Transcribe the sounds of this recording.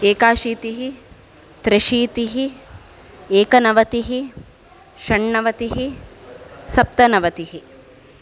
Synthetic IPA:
eːkaːʃiːt̪iɦi | t̪ɾɐʃiːt̪iɦi | eːkɐnɐʋɐt̪iɦi | ʃɐɳːɐʋɐt̪iɦi | sɐp̚t̪ɐnɐʋɐt̪iɦi

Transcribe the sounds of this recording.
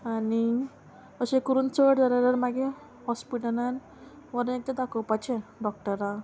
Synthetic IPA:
ani | əɕẽkəɾuːnt͡səʈd͡zaɾaɾəɾmaɡe | hɔspiʈəlan | ʋəɾnet̪ed̪akəwpat͡ɕɛ̃ɖɔk̚ʈəɾa

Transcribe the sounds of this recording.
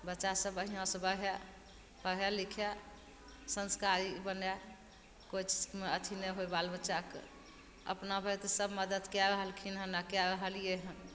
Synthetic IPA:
bətːʃasəbəɦijãsə̃bəɾɛ | bəɾɛlikʰɛ | sənskaɾibənɛ | kot͡ʃʰmeət̪ʰineɦojbalbətːʃakḛ | ə̰pnabʱət̪ɔsəbməd̪əd̪kjaɾəɦəlkʰinɦənakjaɾəɦəljeɦə̃n

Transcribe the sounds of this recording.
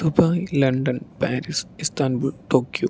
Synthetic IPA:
subaːilɐɳɖɐnpaːɾisist̪aːnbuʈoːkjo

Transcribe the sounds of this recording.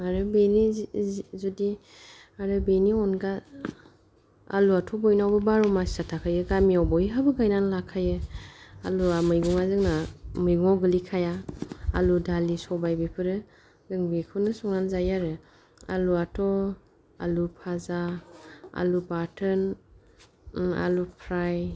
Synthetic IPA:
aɾɯbeni | zudi | aɾɯbeniɔnɡa | a̰luatʰɔbɔjnawbɯbaɾɔmasi̥satʰakʰajɯɡamiawbɔiɦabɯɡajnanlakʰajɯa̰luamɯjɡuŋazɯŋnamɯjɡuŋawɡɯlikʰaja̰ːludalisɔbajbipʰɯɾɯ | zɯŋbikʰɯnɯsɔŋnanzajaɾɯ | a̰luatʰɔ | a̰lupʰaza | a̰lubatʰɯn | a̰lupʰɾaj

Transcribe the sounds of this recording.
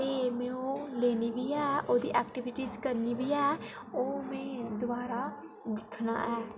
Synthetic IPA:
t̪eːmɛ̃ːõːleːniːbiːɛːʔoːd̪ḭːʔɛːkʈɪʋɪʈiːzkəɾniːbiːɛː | oːmɛ̃ːd̪ʊbaːɾaː | d̪ɪkʰna̰ːʔɛː

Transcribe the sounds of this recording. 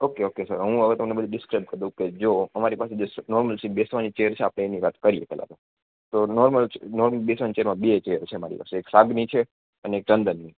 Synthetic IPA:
okeokesəɾɦũəɡət̪əmnebəd̪ʱũɖɪskɾajb̚kəd̪ũked͡ʒoəmaɾipased͡ʒosnɔɾməlsibesʋanit͡ʃeəɾt͡ʃʰeapɽ̃eːniʋat̪kəɾiepɛla̰t̪o | t̪onɔɾməlnɔɾməlbesʋant͡ʃeəɾmãbet͡ʃeəɾt͡ʃʰemaɾḭpa̰seːksaɡnit͡ʃʰe | əneːkɾənd̪ənːi

